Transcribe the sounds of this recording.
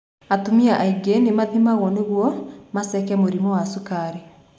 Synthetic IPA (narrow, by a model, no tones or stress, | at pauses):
atomiaʔaiɡenemaðimaɣɔneɣwɔmasɛkɛmoɾimɔwasukaɾe